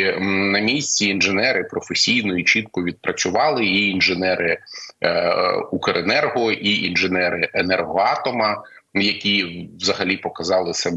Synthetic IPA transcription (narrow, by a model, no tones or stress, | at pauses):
nɐmʲisʲt͡sʲiːnʒenɛɾɪpɾɔfesʲijnɔjit͡ʃit̪̚kʊʋʲid̪̚pɾʔɐt͡sʲʊʋɑlˠɪiinʒɪnɛɾʔɪ | ukɐɾenɛrɦɔʔiʔinʒenɛɾɪʔenɛrɦɔɑt̪ɔmɐ | jɐkʲiʋzɐɦɐlʲipɔkɐzɑlˠɪsɐ